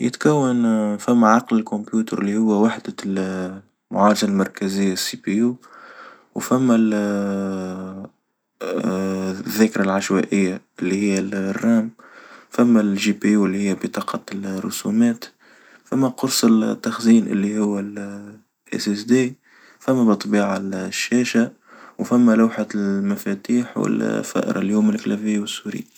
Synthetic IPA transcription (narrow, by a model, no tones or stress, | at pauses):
jɪ̰t̪kæwːanfæmːaʕɑqlɪlkʊmpjuːt̪əɾʔɪlːihʊwːæwaħd̪al | mʊʕɑːɾd͡ʒalmɑɾˤkæzɪjːasːipijuː | wfæmːæl | ðːæːkɾalʕaʃwæʔɪjːaʔɪlːihɪjːærːɑːmfæmːælʒipiɪlːihɪjːæbit̪ˤɑːqɑtlrːʊ̰sumɛːt̪ | fæmːæqʊɾsˤɪlt̪ːaxziːnʔɪ̰lːihʊwːal | ʔɪ̰sɪsd̪iː | fæmːæbɨt̪ˤːbiːʕalʃːɛːʃa | wfæmːælawħamæfæt̪iːħwɪ̰lfæ̰ʔɾʔɑ̰ljuːmɪlklæfɪjːwɪsːuɾɪ̰